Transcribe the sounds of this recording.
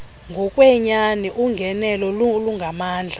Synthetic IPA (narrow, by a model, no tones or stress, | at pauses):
ŋɡʱɔkʼwɛɲanɛʔuŋɡʱɛnɛlɔluluŋɡʱamaːnd͡ɮʱa